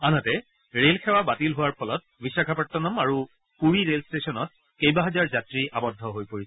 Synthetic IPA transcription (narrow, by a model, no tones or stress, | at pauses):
anɔtɛ | ɹelkʰɛwabatilɦʊwaɹpʰɔlɔt̚bisakʰapatːɔnɔmaɹu | puɹiɹelstesɔnɔt̚ | kejbaɦɛzaɹzatɹiʔabɔdʱːɔɦojpoɹisɛ